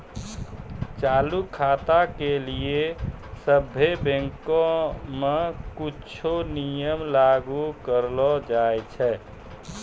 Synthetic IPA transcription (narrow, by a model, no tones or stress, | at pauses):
t͡ʃalukʰat̪akeliesəbʱːebẽŋkõmekut͡ʃʰonijəmlaɡukəɾlɔd͡ʒajt͡ʃʰɛ